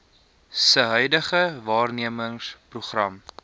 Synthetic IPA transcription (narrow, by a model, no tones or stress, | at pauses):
səɦœɥdəχəvɑːrniəməŋspruχrɐm